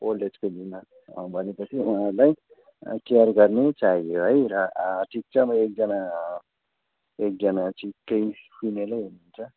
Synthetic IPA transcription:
oled͡zkolina | bʱʌnepʌt͡sʰiuɦãrlaj̰ | kijʌrɡʌrnet͡saɦijoɦʌjɾʌʈʰik̚t͡sʌmʌek̚d͡zʌna | ek̚d͡zʌnat͡sikːʌjpʰinelajɦunuunt͡sʰʌ

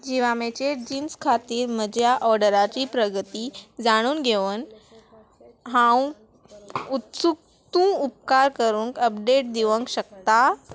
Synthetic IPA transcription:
d͡ʑiʋamet͡ɕed͡ʑiːnskʰat̪iːɾməd͡ʑʱjaʔɔɾɖəɾat͡ɕipɾəɡət̪id͡zaɽ̃uːnɡʱeʋən | ɦãw | ut̪suk̚ | t̪ũup̚kaɾkəɾũːŋkəp̚ɖeʈ̚d̪iʋə̃ŋkɕək̚t̪a

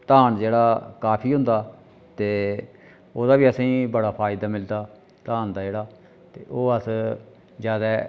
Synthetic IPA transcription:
t̪aːnd͡ʒeːɽaːkaːpʰiːɦʊ̃nd̪aː | t̪eː | oːd̪aːʋiːəsĩːbəɽaːpʰaːɪd̪aːmɪld̪aː | t̪aːnd̪aːd͡ʒeːɽaː | t̪eːʔoːəs | zjaːd̪aː

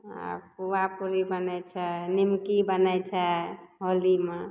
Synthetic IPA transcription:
a̰puwapuɾibənɛjt͡ʃʰɛnimkibənɛjt͡ʃʰɛɦolimã

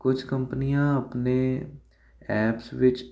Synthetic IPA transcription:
kʊd͡ʒʰkəmpnijãːəpneː | ɛːpsʋɪt͡ʃ

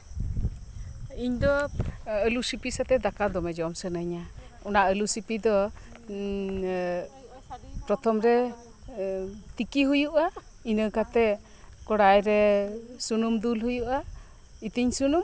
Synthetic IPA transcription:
iɲd̪ɔəlusipisat̪ɛd̪akad̪ɔmɛd͡ʒɔmsənəɲaɔnaʔəlusipid̪ɔ | pɾɔt̪ʰɔmɾɛ | t̪ikiɦujuʔa | inəkat̪ɛ | kɔɽajɾɛsunumd̪ulɦujuʔa | it̪iɲsunum

